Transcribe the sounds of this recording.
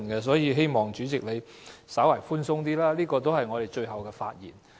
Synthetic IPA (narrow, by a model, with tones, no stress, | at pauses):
nkɛ˧s̬ɔː˨˥jiː˨˧ɦe˥jmɔː˨˩ŋt͡ʃyː˨˥t͡sɪ˨k̚le˨˧j | sɐ˨˥waː˨˩jfuː˥nsʊ˥ŋt̪̬iː˥laː˥liː˥kɔː˧t̪̬o˥whɐ˨jŋɔː˨˧d̪e˨jt͡ʃɵ˧ɥɦɐ˨wkɛː˧faː˧t̚jḭː˨˩n